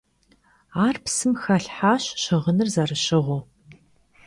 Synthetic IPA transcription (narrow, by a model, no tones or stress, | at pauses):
aːrpsɨmxɐɬħaːɕɕɪʁənɨrzɐrɨɕɪʁʷʊ